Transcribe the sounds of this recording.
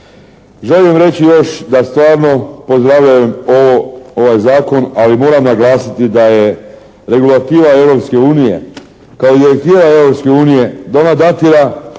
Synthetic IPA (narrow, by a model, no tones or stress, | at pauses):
ʒelijemɾe̞t͡ɕijo̞ʃd̪ast̪ʋaːɾno̞po̞zd̪ɾaʋʎajemo̞ʋoo̞ʋajzaːko̞nalimo̞ːɾamnaɡlˠaːsit̪id̪aje̞ | ɾe̞ɡulat̪iːʋae̞ʋɾo̞pske̞uːnije̞̰ | kaod̪iɾe̞k̚t̪iːʋae̞wɾo̞pske̞uːnije̞d̪aonad̪at̪iɾa